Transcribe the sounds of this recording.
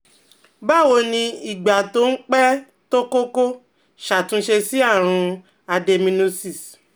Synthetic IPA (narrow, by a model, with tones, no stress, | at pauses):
ba˦˨wo˧nĩ˧i˨ɡ͡ba˨to˦n̩˦k͡pɛ˦ | to˦ko˦ko˦ | ʃa˨tũ˨˧˦ʃe˧si˦a˦˨ɾ̃ũ˧ | a˧de˧mĩ˧nu˧si˦˨s